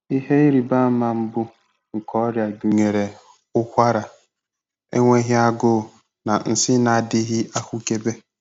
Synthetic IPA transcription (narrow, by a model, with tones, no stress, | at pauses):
i˦ɦe˦i˦ɾi˨ba˦ma˨m̩˦bʊ˦ | ŋ̩˨kɔ˦ɾja˨du˨ŋe˨ɾe˨ | ʊ˦kʷa˦ɾa˨ | ḛ˦ŋʷe˦ɦɪ˦a˦ɡʊ˦˨ | na˨n̩˨sɪ˦na˨dɪ˦ɦɪ˦ʔa˦kʷu˦ke˦be˦